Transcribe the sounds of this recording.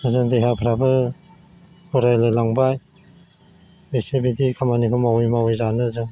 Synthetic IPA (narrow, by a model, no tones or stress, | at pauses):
ɯzɯŋdeɦapʰɾabɯ | uɾajlɯlaŋbaj | esebidikʰamanikʰɔmawujmawɔjzanɯzɯŋ